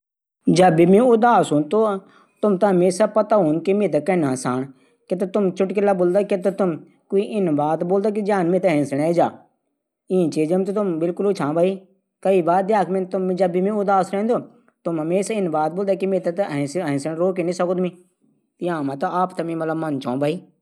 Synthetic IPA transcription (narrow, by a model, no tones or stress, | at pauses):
d͡ʒəbiːmẽːʊd̪aːsɦuːnt̪oː | t̪ʊmt̪aɦəmeːsaːpət̪aːɦuːnkemẽːt̪̬akɛnãːsaːɳ | ket̪̬ot̪ʊmt͡ʃʰʊʈkɪlaːboːld̪aːket̪ot̪ʊm | koːiːʔɪnbaːt̪boːld̪aːk̬id͡ʒãːnmẽːt̪eɦɛ̃ːsəɽ̃eːd͡ʒaː | ĩːt͡ʃiːd͡ʒəmt̪ot̪ʊmbɪlkʊlʊt͡ʃʰãːbaːiː | kəiːbaːɾ̚d̪jaːkmẽnt̪ʊmːd͡ʒəbimẽːʊd̪aːsɾɛ̃ːnd̪oː | t̪ʊmɦəmeːsaːɪnbaːt̪̚boːld̪aːkimẽːt̪at̪ɦɛ̃sɛ̃ːnsəɽ̃ɾoːkeːnĩːsəkoːd̪mĩː | t̪jãːmãːt̪aaːpt̪ɐmĩːmət̪ləbmant͡ʃʰãːbʱaːiː